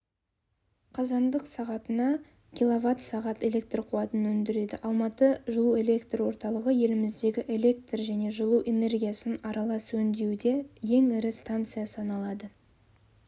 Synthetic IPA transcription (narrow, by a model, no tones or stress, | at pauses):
qʰɑzɑnd̪əqsɑʁɑt̪ənɑ | kʲilˠovat̪sɑʁɑt̪e̞le̞k̚t̪rqʰuɑt̪ənwɵnd̪ɪɾe̞d̪ɪʔɑlˠmɑt̪əʒʊlˠue̞le̞kt̪rwo̞ɾt̪ɑlˠəʁəje̞lɪmɪzd̪e̞ɡʲɪʔe̞lʲe̞k̚t̪rʒæne̞ʒʊlˠuʔe̞ne̞rɡʲijasənɑɾɑlˠɑswɵnd̪ewd̪e̞je̞ŋɪɾɪst̪ant̪sɨjasəɑnɑlˠɑd̪ə